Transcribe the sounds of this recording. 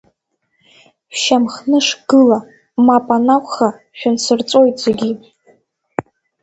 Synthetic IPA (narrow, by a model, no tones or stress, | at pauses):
ʃamχnɨʂɡ̥ɨla | mapʼanaχʷχa | ʃᶣansɨrt͡sʷʼo̞jtʼzeɡʲi